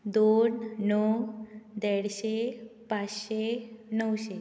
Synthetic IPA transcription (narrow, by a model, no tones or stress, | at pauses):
d̪onːɔ | d̪ɛɽɕepat͡sɕenəwɕe